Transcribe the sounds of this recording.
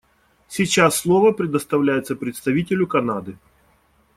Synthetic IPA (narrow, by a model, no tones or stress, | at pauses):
sʲit͡ɕasːlˠovəpɾʲɪd̪əst̪ɐvlʲæjɪt̪səpɾʲɪt̪st̪ɐvʲitʲɪlʲʊkɐnad̪ɨ